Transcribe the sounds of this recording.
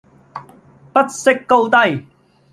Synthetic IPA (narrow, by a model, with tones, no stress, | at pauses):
pɐ˥t̚sɪ˥kːo˧wt̪ɐ˥j